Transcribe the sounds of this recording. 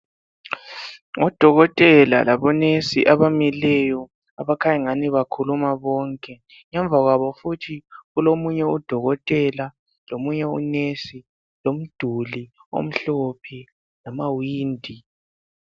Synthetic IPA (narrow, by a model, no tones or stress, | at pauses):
ŋɔd̥ʱɔɣɔtʼɛla̰laβɔnesḭʔaβamilɛjɔ | aβakʰajiŋaniβakʰulumaβɔːŋkʼɛ | ŋɛɱb̪vʱaɣwaβɔfutʰiɣulomuɲɛud̥ʱɔɣɔtʼɛla | lomuɲɛṵnesi | lom̩d̥ʱulio̰m̩ɬopʰi | namawiːndʱi